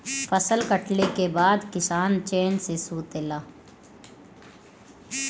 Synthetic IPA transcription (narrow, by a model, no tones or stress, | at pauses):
fəsəlkəʈlekebaːd̪kɪsaːnt͡ʃeːnsesuːt̪elaː